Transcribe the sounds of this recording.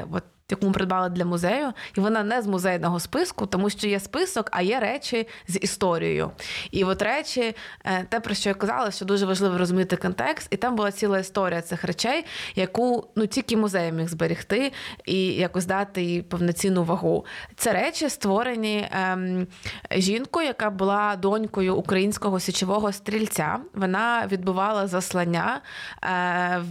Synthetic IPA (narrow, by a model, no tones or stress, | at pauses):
ʋɔ̰t̪̚ | jɐkumʊpɾɪd̪̚bɑlˠɐd̪lʲɐmʊzɛjʊiʋɔnɑnɛzmʊzɛjnɔɦɔspɪskʊt̪ɔmuʃt͡ʃɔjɛspɪsɔkɐ̰jɛɾɛt͡ʃʲɪzʲist̪ɔɾʲḭjɔ̰jʊ̰iʋɔt̪ɾɛt͡ʃʲɪt̪ɛpɾɔʃt͡ʃɔjakɐzɑ̰lˠɐsʲt͡ʃɔd̪uʒɛʋɐʒlˠɪʋɔɾɔzʊmʲit̪ɪkɔnt̪ɛkst̪it̪ɑmbʊlˠɑt͡sʲilˠɐist̪ɔɾʲijɐt̪sɪxrɛt͡ʃɛjjɐkunutʲilʲkʲɪmʊzɛjɐmʲiɣzbeɾʲixt̪ɪijɐkʊzʲd̪ɑt̪ɪipɔwnɐt͡sʲinʊʋɐɦut̪sɛɾɛt͡ʃʲɪst̪ʋɔɾenʲi | ʒʲinkʊjɐkɑbʊlˠɑd̪ɔnʲkɔjʊʔːkɾɐjinʲsʲkɔɦɔsʲit͡ʃɪʋɔɦɔst̪ɾʲilʲt͡sʲa̰ʋɔnɑʋʲid̪̚bʊʋɑlˠɐzɐslˠɐnʲːa